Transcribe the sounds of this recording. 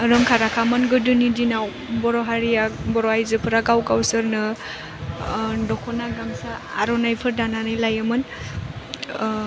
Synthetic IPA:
ɾɯmkʰaɾakʰamɯnɡɯdɯnidinaw | bɔɾɔɦaɾijabɔɾɔajzɯpʰɯɾaɡawkawsɯɾnɯ | dɔkʰɔnaɡamsaa̰ɾɔnajpʰɯɾdananajlajɯmɯn

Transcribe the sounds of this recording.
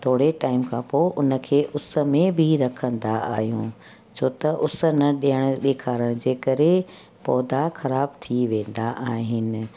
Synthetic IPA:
t̪ʰoːɽeʈaːɪmkʰãːpoːʔʊnə̆kʰeːʔʊsə̆mẽbʱɪɾɐkʰə̃nd̪aa̰ːɦijṵ̃ː | t͡ɕʰoːt̪ɐʔʊs̆nɐɗijəɽ̃ʊ̆ɗeːkʰaːɾəɽ̃d͡ʑeːkɐɾe | pɔːd̪axɐɾaːb̚t̪ʰiʋẽːn̆d̪aʔaːɦɪnɪ̆

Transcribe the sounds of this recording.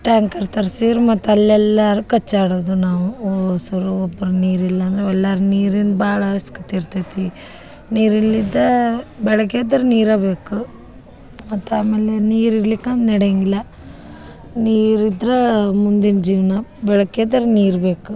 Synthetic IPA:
ʈaːŋkɐɾt̪ɐɾsiɾumɐt̪ːɐlːɛlːaɾukɐt͡ʃːaːɽoːd̪unaːʋuosɐɾuobːɐɾɐniːɾilːɐɐnd̪ɾeɛlːaːɾuniːɾind̪baːɭaːʋɐskɐt̪eɾt̪et̪i | niːɾilːid̪ebɛɭɐkeːd̪ɐɾniːɾaːbe̞ːku | mɐt̪ːaːmeːleniːɾiɾlikːand̪nɐɽejɐŋɡilːɐ | niːɾid̪ɾemund̪ind͡ʒiːʋɐnɐbɛɭɐkeːd̪ɐɾniːɾbe̞ːku

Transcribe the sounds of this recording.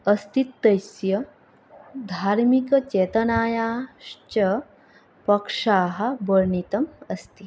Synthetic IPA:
ɐst̪it̪ːɐjsjɐ | d̪ʱaːɾmikɐt͡ʃɛːt̪ɐnaːjaːʂt͡ʃɐ | pɐkʂaːɦɐ̆bəɾɳit̪ɐmɐst̪i

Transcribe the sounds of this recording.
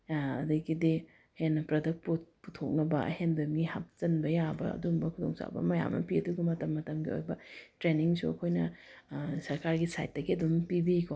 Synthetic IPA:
ɐdɐɡidi | henːɐpɾɐdɐk̚puputʰːok̚nɐbɐ̰hendɐmɡihap̚t͡ʃɐnbɐjabɐ̰ɐ̰dumbɐkʰudo̰ŋsa̰bɐ̰mɐja̰mnɐ̰piɐduɡɐmɐtɐmːɐtɐmɡio̰jbɐtɾeniŋsuɐ̰kʰojnɐ | sɐɾkaɾɡisa̰jt̚dɐɡiɐdumpibiko

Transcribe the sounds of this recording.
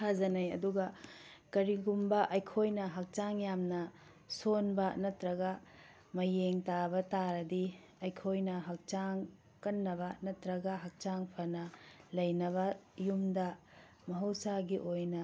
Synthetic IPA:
kʰazɐnɐjɐ̰duɡɐ | kɐɾiɡumbɐʔɐjkʰojnɐɦɐk̚t͡ʃaŋjamnɐ | sonbɐnɐtɾɐɡɐ | mɐjeŋtabɐtaɾɐdi | ɐjkʰojnɐɦɐk̚t͡ʃaŋ | kɐnːɐβɐnɐtɾɐɡɐɦɐk̚t͡ʃaŋpʰɐnɐlɐjnɐβɐjumdɐ | mɐɦɐwsaɡiʔojnɐ

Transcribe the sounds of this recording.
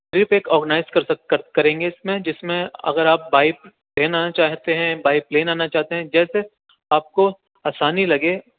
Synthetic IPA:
ɾɪpeːkɔːɾɡənaːɪzkɐɾsɐkɐkɐɾẽːŋɡeɪsmẽd͡ʒɪsmẽɐ̰ɡəɾaːp̚baːɪp̚ | leːnaːnat͡ʃaːɦt̪eɦɛ̃baːɪp̚leːnaːnat͡ʃaːɦt̪eɦɛ̃d͡ʒɛːse | aːp̚ko | aːsaːnilɐɡe

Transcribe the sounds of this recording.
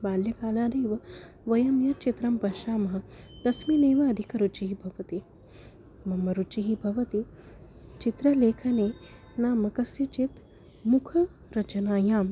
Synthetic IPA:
baːljɐkaːlaːd̪eːʋɐ | ʋɐjɐmjɐt͡ʃit̪ɾɐmpɐʃaːmɐɦɐ | d̪̥ɐsmineːʋɐɐd̪ʱikɐɾut͡ʃiɦibʱɐʋɐt̪i | mɐmːɐɾut͡ʃiɦibʱɐʋɐt̪i | t͡ʃit̪ɾɐleːkʰɐneː | naːmɐkɐsjɐt͡ʃit̪ | mukʰɐ | ɾɐt͡ʃɐnaːjaːm

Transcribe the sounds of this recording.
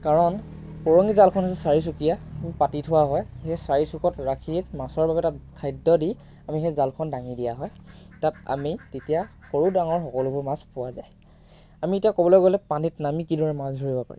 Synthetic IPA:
kaɹɔn | pɔɹɔŋɡizalkʰɔnasɛsaɹis̬ukijamipatitʰʊwaɦɔjxesaɹisukɔtɹakʰitmasɔɹbabɛtatkʰajdɔdi | amixezalkʰɔndaŋidijaɦɔj | tata̰mitetijaxoɹudaŋɔɹxɔkɔlʊbʊɹmaspʊwaza̰j | amietijakɔbɔlɔjɡɔlɛpanitnamikidɔɹɛmazʱuɹibɔpa̰ɹḭ

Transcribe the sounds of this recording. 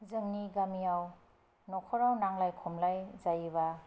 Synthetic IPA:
zɯŋniɡamijaw | nɔkʰɔɾawnaŋlajkʰɔmlajzajβa

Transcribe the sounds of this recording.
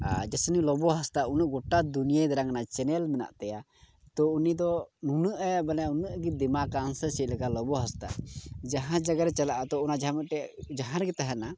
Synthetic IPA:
ad͡ʒɛsɛnilɔbɔɦast̪aunəʔɡɔʈad̪unijad̪aɾaŋnat͡ʃɛnɛlmɛna̰ʔt̪ɛja | t̪ɔunid̪ɔnunəʔɛbɛlɛaunəʔɡɛd̪ɛmakansɛsɛt̪̚ˀlɛkalɔbɔɦast̪a̰d͡ʒaɦãd͡ʒaɡaɾɛt͡ʃalaʔat̪ɔunad͡ʒaɦãmɛʈɛʔd͡ʒaɦãɾɡɛt̪aɦɛna

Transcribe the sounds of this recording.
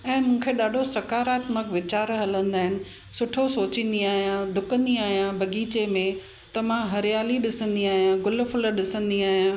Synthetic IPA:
ɛ̃ːmũːkʰeɗaːɖʱosɐkaːɾaːt̪məkʋɪt͡ɕaːɾɦɐlə̃nd̪aːɦɪnɪ̆ | sʊʈʰosoːt͡ɕɪ̃n̆d̪iaːɦijãɖʱʊkə̃nd̪iaːɦijãbʱɐɡiːt͡ɕemẽ | t̪ɐʋ̤ãɦɐɾijaːliɗɪsə̃nd̪iaːɦijãɡʊlfʊləɗɪsə̃nd̪iaːɦijã

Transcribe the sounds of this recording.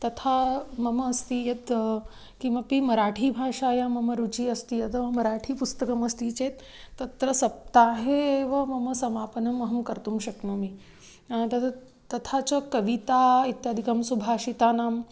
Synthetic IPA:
t̪ɐt̪ʰamɐmɐːst̪iːjɐt̪ | kimɐpimɐɾaːʈʰiːbʱaːʂaːjamɐmɐɾut͡ʃiːɐst̪iːjɐt̪mɐɾaːʈʰiːpust̪ɐkɐmɐst̪iːt͡ʃeːt̪ː | ɐt̪ɾɐsɐp̚t̪aːɦeʋɐmɐmɐsɐmaːpɐnɐmːɐɦɐmkɐɾt̪umʃɐknoːmi | t̪ɐt̪ʰ | t̪ːɐt̪ʰat͡ʃɐkɐʋit̪aːit̪jad̪ʱikɐmsubʱaːʂit̪aːnaːm

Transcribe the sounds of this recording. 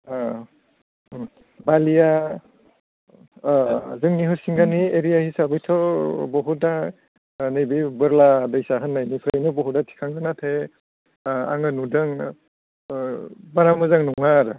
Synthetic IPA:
balija | zɯŋniɦɯɾsiŋɡanieɾijahisabɯjtʰɔbɔɦuda | nɯjbibɯɾladɯjsaɦɯnːajnipʰɾejnɯbɔɦudatʰi̥kʰaŋɡɯnatʰe | a̰ŋɯnudɯŋ | baɾamɯzaŋnɔŋaɾɯ

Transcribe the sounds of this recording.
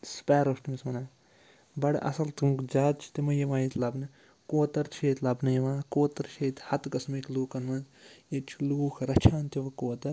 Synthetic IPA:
spɛːɾosʈimismɐnaː | bɐɽʔɐ̰sɐlt̪ɨŋd͡ʒaːt̪t͡ʃʰi̥t̪imɐjɐʋaːjit̪ʲlɐbnɨ | koːt̪ɐɾt͡ʃʰeːt̪ʲlɐbnɐjɐʋãːkoːt̪ɐɾt͡ʃʰeːt̪ʲhɐt̪ɡɐsmikluːkɐnʋɐzjet͡ʃʰiluːkʰɾɐt͡ʃʰaːnt̪iʋɐkoːt̪ɐɾ

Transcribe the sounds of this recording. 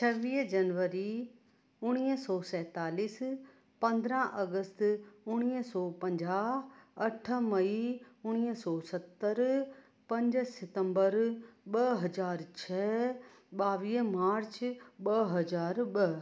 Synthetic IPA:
t͡ɕʰɐʋiːɦd͡ʑɐnʋəɾi | ʊɽ̃iːɦsɔːsɛːt̪aːliːs | pɐ̃nd̪ɾə̃ʔɐɡəst̪ʊɽ̃iːɦsɔːpɐ̃ɲd͡ʑaːɦɐʈʰə̆mɐiʊɽ̃iːɦsɔːsɐt̪ːəɾ | pɐ̃ɲd͡ʑsɪt̪ə̃mbəɾɓɐɦɐzaːɾt͡ɕʰɛ | ɓaːʋiːɦmaːɾt͡ɕɓɐɦɐzaːɾɓɐ

